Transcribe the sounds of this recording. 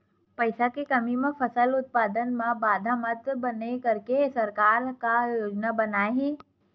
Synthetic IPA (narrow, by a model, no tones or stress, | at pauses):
pɐɪsakekɐmimẽfʰɐsəlʊt̪̚paːd̪ənmẽbaːd̪ʱamɐt̪bɐnekɐɾkesɐɾkaːɾkajjoːd͡ʒnabɐnaːeɦɛ̃ː